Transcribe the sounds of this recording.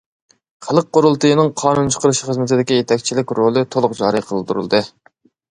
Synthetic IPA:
χælˠəq̚qːoɾulˠt̪ɨjnɨŋqʰɑːnunt͡ʃʰə̥qəɾɨʃiχəzmɪt̪ɪd̪ɪkʲijet̪ʰɛk̚ʲt͡ʃʰilɪkʲɾolˠɨt̪ʰolˠʊq̚d͡ʒɑ̰ːɾiqʰəlˠɨp̚t̪ʰuɾṵlˠd̪ɨ

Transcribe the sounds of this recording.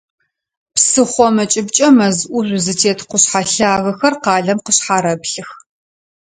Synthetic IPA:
psɨχʷɔmɐt͡ʃʼɪbt͡ʃʼɐmɐzʔʷʊʒʷzɨtʰeːtʰqʷʊɕħaɬaːɣɐxɐrqɑːɮɐmqəɕħaːɾɐbɬɨx

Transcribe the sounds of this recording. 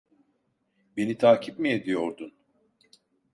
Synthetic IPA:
be̞nit̪ʰaːcʰipmijed̪ijo̞ɾd̪un

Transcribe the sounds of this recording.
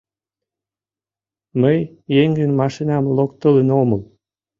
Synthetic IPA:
məjː | eŋɡənmɑʃinɑmlokt̪ələnoməl

